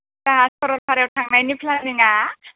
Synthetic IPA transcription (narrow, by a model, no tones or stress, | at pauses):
kaaspaɾot̚pʰaɾewt̪ʰaŋnajnipʰlaniŋa